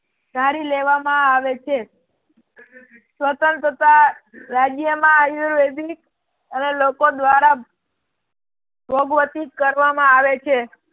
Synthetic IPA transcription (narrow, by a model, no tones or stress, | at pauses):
d̪̥ʱaɾileʋamãaʋet͡ʃʰe | sʋət̪ənt̪ɾət̪aɾad͡ʒjəmãjuɾʋed̪ʱik | ənelokod̪ʋaɾa | bʱoɡʋət̪ikəɾʋamãaʋet͡ʃʰe